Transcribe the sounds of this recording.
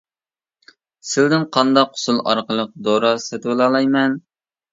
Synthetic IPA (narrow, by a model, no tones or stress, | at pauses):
sɪld̪ɪnqʰɑnd̪ɑqʰːʊ̥sulˠɑ̰ɾqəlˠəq̚d̪oɾɑsɛt̪welˠɑːlˠɑjmɛn